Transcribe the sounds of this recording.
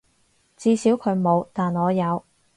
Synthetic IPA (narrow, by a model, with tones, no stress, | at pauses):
t͡siː˧siː˨˥wkʰɵ˨˧ɥmo˨˧wt̪aː˨nɔː˨˧jɐ˨˧w